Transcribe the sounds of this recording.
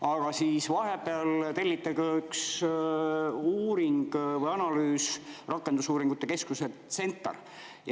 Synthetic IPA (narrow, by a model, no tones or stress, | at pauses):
ɑɡ̥ɑsiːsvɑɦe̞pˑeɑlt̪e̞lʲːit̪ːˑɑɡɑyks | uːɾiŋɡ̥vɤjɑnɑlyːsrɑkːˑend̪usuːɾiŋɡ̥ut̪ːˑeke̞skuset̪se̞nt̪ːˑɑ̰r | j